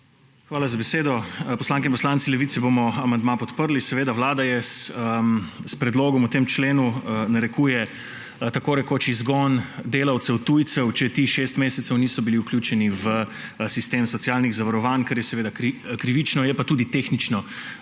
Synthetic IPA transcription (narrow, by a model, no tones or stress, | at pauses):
xʋaːlazabɛseːd̪ɔpɔslãːŋkɛinpɔslantsilɛʋit̪sɛbomɔamand̪mapɔt̪pəɾlisɛʋeːd̪awlaːd̪ajɛsəmspɾɛd̪loːɡɔmut̪eːmt͡ʃleːnunaɾɛkuːjɛ | t̪akoːɾɛkoːt͡ʃizɡɔnd̪eːlawt̪sɛwt̪ujt̪sɛwt͡ʃɛt̪iːʃeːst̪meːsɛt̪sɛwnisɔbiliuklʲjuːt͡ʃɛniʋəsist̪eːmsɔt̪siaːlniɣzaʋaɾɔʋaːnkaɾjɛsɛʋeːd̪akɾikɾiʋit͡ʃnɔjɛpat̪uːd̪it̪eːxnit͡ʃnɔ